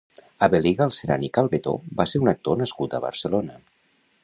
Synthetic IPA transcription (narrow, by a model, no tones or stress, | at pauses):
əβeliɣəlˠseɾa̰nikalˠβet̪o̰baseɾunək̚t̪onəskut̪əβə̰ɾsəlonə